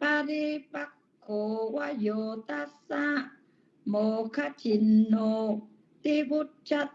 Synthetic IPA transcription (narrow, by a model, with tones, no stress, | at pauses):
pa˧ɾi˧˦pa˧kː | o˨wa˦˧jo˨t̪a˦sa˦ʔ | mo˨kʰa˦t͡ʃi˨nːo˧ | t̪i˦bu˦t̚t͡ʃa˦t̪̚